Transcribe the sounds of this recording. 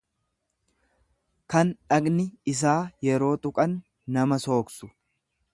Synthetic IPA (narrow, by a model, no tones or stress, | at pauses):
kɐnᶑɐɡnɪɪs̬aːjɛɾo̞ːt̪ʼʊkʼɐnː | ɐmɐso̞ːksʊ̥